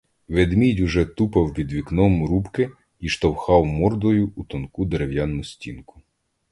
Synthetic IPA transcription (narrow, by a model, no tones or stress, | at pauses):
ʋed̪mʲidʲuʒɛt̪upɐwpʲid̪ʋʲiknɔmɾupkɪ | iʃt̪ɔwxɑwmɔrd̪ɔjʊut̪ɔnkud̪eɾewjɑnːʊsʲtʲḭnkʊ̥